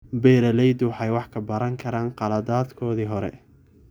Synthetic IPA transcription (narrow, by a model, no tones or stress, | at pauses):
bɛːɾɐlɛjd̪ʊwħɑjwɑħkʰɐbɐɾɐŋkʰɐɾaːnqɑlɐd̪aːd̪kʰɔːðiːɦɔɾɛ̰